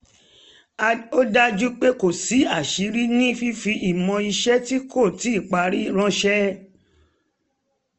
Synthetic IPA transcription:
o˦da˦d͡ʒu˦k͡pe˦ko˨si˨˦a˦˨ʃi˨˦ɾi˦nĩ˦fi˦fi˧ʔi˨mɔ̃˧i˧ʃɛ˦ti˦kʰo˦˨ti˨˦i˦˨k͡pa˨˦ɾi˦ɾ̃ɔ̃˧˦ʃɛ˦

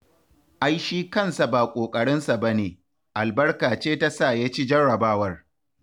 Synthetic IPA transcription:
ʔa˦jʃiː˦kɐ˦˨nsa˨baː˨kʷʼoː˨kʼɐ˨ɽɪ˦nsa˨ba˦neː˨ | ʔa˨lbɐ˦rkaː˨t͡ʃeː˦ta˦sa˦˨jaː˦t͡ʃi˦d͡ʒɐ˦ɽɐ˨baː˦wɐ˦r

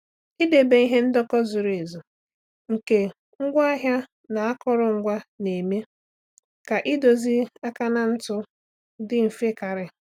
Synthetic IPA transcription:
i˦de˨be˦i˦ɦe˦n̩˦dɔ˦kɔ˦zʊ˨ɾi˨zo˨ | ŋ̩˨ke˨ | ŋ̩˦ɡʷa˦a˦ɦja˦ | na˨a˦kɔ˦ɾʊ˦˨ŋ̩˦ɡʷa˦ne˨me˦ | ka˨ʔɪ˦do˨zi˦a˦ka˦na˦n̩˦tʊ˦ | dɪ˦m̩˨fe˦ka˨ɾɪ˨

